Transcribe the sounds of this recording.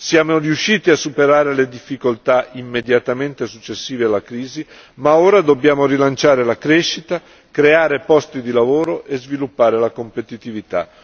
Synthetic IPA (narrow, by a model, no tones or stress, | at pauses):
sjaːmoriuʃːiːt̪iasːupeɾaːɾeled̪ifːikolt̪aimːed̪jat̪ament̪esut͡ʃːesːiːvealːakɾiːzi | maoːɾad̪obːjaːmoɾilant͡ʃaːɾelakɾeʃːit̪a | kɾeaːɾepɔst̪id̪ilavoːɾoʔezvilupːaːɾelakompet̪it̪ivit̪a̰